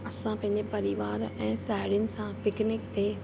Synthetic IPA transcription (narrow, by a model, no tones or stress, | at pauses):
ɐsãpɐ̃ɦɪ̃ɲd͡ʑepɐɾɪʋaːɾɛ̃ːsaːɪɽjʊnɪ̆sãpɪknɪk̚t̪ʰeː